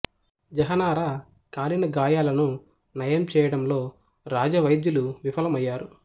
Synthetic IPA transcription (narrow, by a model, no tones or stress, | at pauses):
d͡ʒɐɦɐnaːɾaː | kaːlinɐɡaːjaːlɐnu | nɐjɐmt͡ʃɛːjɐɽɐmlo̞ː | ɾaːd͡ʒɐʋɐjd̪juluʋipʰɐlɐmɐjːaːɾu